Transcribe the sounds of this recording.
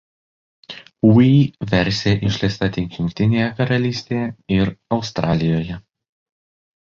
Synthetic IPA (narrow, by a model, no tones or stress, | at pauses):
uiʋʲɛɾʲsʲeːʔɪʃʲlʲɛɪst̪ɐt̪ʲɪŋʲkʲjʊŋkʲt̪ʲɪnʲeːjɛkɐɾɐlʲiːsʲt̪ʲejɛɪɾɒʊst̪ɾʔɑːlʲɪjoːjɛ